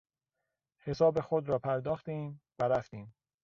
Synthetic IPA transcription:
he̞sɒːbe̞xod̪ɾɒːpʰæɾd̪ɒːxt̪iːmvæɾæft̪iːm

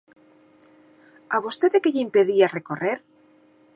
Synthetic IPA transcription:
aβost̪et̪ðekeʎimpeðiareko̞reɾ

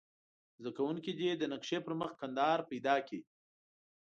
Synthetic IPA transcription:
zakawuŋkid̪id̪ənakʃepəɾməxkand̪ɑɾpajd̪ɑki

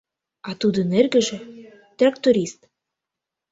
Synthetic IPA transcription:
ɑt̪ud̪ə̆nerɡɘ̆ʒĕ | t̪rɑk̚t̪uɾʲist̪

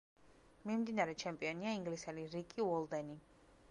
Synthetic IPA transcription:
mimd̪inaɾɛt͡ʃʰɛmpʼiɔniaiŋɡlisɛliɾikʼivɔlˠd̪ɛni

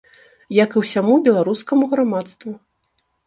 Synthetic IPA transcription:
jɐkɨwsʲamubʲɛlˠaɾuskɐmuɣɾamat̪st̪vu

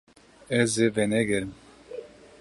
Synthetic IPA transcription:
ɛzevɛnɛɡɛɾɨm

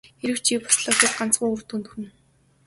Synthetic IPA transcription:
eɾɘ̆w̥t͡ɕʰiːpʊ̥sɮɔːxeːsɢan̥t͡sɢuːɵrt̪uːnt̪ɵx̆ɘ̆n

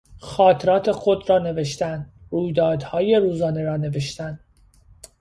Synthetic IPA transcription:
xɒːt̪ʰeɾɒːt̪ʰe̞xod̪ɾɒːne̞ve̞ʃt̪ænd̪ruːjd̪ɒːd̪hɒːje̞ɾuːzɒːne̞ɾɒːne̞veʃt̪ænd̪

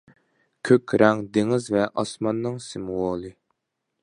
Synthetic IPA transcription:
kʲʰøkʲɾɛŋd̪eŋɪzvɛʔɑsmɑnːɨŋsɪmuwoːlˠɨ

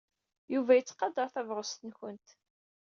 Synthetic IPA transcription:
juvæjət͡sːqɑd̪ɑɾˤθævɾˤʊst̪ənçənt̪

